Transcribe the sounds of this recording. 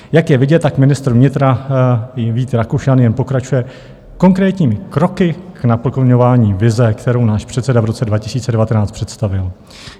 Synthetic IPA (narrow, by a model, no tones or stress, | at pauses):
jakjɛvɪɟɛt̪̚ːakmɪnɪst̪ɾ̩vɲɪt̪ɾa | viːt̪ɾakuʃjanjɛnpo̞kɾat͡ʃujɛ | ko̞ŋkɾɛːt̪ɲiːmɪkɾo̞kɪknapl̩koɲo̞vaːɲiːvɪzɛkt̪ɛɾo̞wnaːʃpr̥ɛt̪sɛdavɾo̞t͡sɛdvacɪsiːtt͡sɛdɛvat̪ɛnaːt͡st̪pr̥ɛt̪st̪avɪl